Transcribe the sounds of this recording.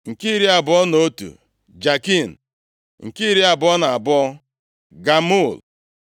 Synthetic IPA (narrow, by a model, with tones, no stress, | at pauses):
ŋ̩˨ki˦ɾi˦a˨bɔ˦no˦tṵ˨ | d͡ʒa˨ki˦˨n̩˨ | ŋ̩˨ki˦ɾi˦a˨bɔ˦na˨a˨bɔ˦ | ɡa˨mu˦˨l